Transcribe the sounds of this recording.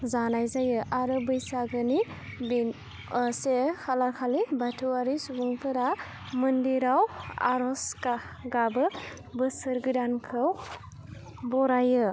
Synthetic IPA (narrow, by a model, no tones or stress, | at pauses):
zanajzajɯʔaɾɯbɯjsaɡɯni | bin | sekʰalaɾkʰalibatʰuaɾisubuŋpʰɯɾa | mɯndiɾawa̰ɾɔska | ɡabɯ | bɯsɯɾɡɯdankʰɯw | bɔɾajɯ